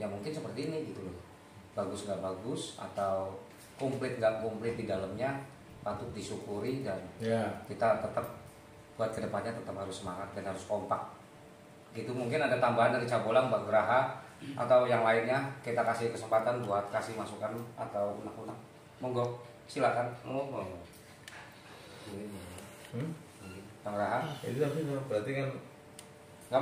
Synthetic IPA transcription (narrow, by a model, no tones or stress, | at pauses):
jamuŋkɪnsəpərt̪iːniɡit̪ula | b̥aɡʊsŋɡaʔbaɡʊsa̰t̪aw | kɔmplɪt̪̚ŋɡaʔkɔmplɪt̪̚didaləmɲa | pat̪ʊk̪̚disukuɾidanakit̪at̪ət̪əp̚ | b̥uat̪̚kədəpanɲat̪ət̪əphaɾʊsəmaŋat̪̚danhaɾʊskɔmpak̚ | ɡit̪umuŋkɪnadat̪ambaɦandaɾit͡ʃabolaŋbaɡəɾaɦa | ʔa̰t̪awjaŋlaɪnjakit̪akasɪhkəsəmpat̪anbuat̪̚kasɪhmasukanat̪awṵnakunak̚ | mɔŋɡɔ | silakanoɔ | ii | baŋɡəɾaɦait̪ut̪aɾdabəɾat̪ikan | ŋɡa